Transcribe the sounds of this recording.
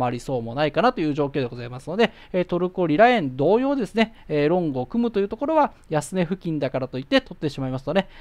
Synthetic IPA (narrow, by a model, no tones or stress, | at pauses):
aɾʲiso̞ːmo̞naikanat̪o̞jɯ̟ːʑo̞ːkʲeːd̪e̞ɡozaimasɨno̞d̪e̞ | eːt̪o̞ɾɯ̟ko̞ɾʲiɾaẽ̞nd̪o̞ːjo̞ːd̪e̞sɨne̞ːɾõ̞ŋɡoːkɯ̟mɯ̟t̪o̞jɯ̟ːt̪o̞ko̞ɾo̞βa | jasɨne̞ɸɯ̟kʲĩnd̪akaɾat̪o̞it̪ːe̞t̪o̞t̪ːe̞ɕimaimasɨ̥t̪o̞ne̞